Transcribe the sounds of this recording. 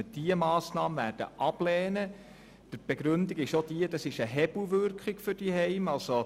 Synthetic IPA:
əd̥iəmɑːsnɑːməvæːɾd̥ə̰ʔɑb̥lɛːnə | d̪̥əb̥ɛɡɾʉndiɡɪʃod̥iədɑsɪʃəɦɛbl̩ʋʏɾkχɪɡfʏrd̥iɦɛɪmɑlso

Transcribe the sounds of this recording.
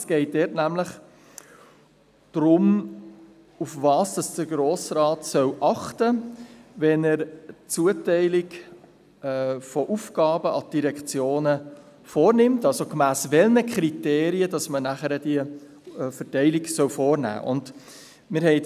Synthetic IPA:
sɡ̥ɛɪt̚dɛːtnæmləχ | d̥ɾʊm | ufvɑːsd̥ɑsd̥əɡɾoːsrɑːtsœwʔɑχtəʋɛnəɾt͡suətɛɪlɪɡ | fɔʔufɡ̥ɑːbəʔɑd̥iɾɛkχt͡sjoːnə | foːɾnɪmtɑlsokmæːsʋɛlnəkʰχɾiteːɾiəd̥ɑsmənæχəɾədiə | fəɾtɛɪlɪɡsœwfɔːɾnæ̰ːʔʊ̰nd̥ | mɪɾhɛɪ

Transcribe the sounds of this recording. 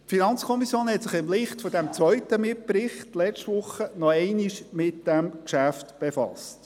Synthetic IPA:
tfinɑnt͡skʰɔmisjoːnhɛtsɪχɪmlɪχtfɔdæmt͡sʋœʏt̪əmɪp̚pɾɪχtlɛt͡ʃtʋʊχənɔɛɪniʃmɪtd̥ɛmkʃæftb̥efɑ̰st

